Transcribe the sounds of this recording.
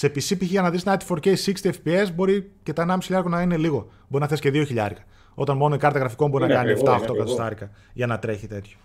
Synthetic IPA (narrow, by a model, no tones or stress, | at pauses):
sepisipiçiʝɐnɐðist̪inɐt̪i̥foɾceisikst̪iefpiezbo̞ɾice̞t̪ɐenɐmso̥çiʎɐɾkonɐine̞liɣo̞ | boɾinɐθesi̥ceðio̞çiʎɐ̰ɾkɐ̥ | o̞t̪ɐnmo̞noikɐɾt̪ɐɣɾɐfiko̞mbo̞ɾinɐkɐniɐft̪ɐoxt̪o̞kɐt̪ost̪ɐɾikɐ | ʝɐnɐt̪ɾe̞çit̪e̞t̪ço̥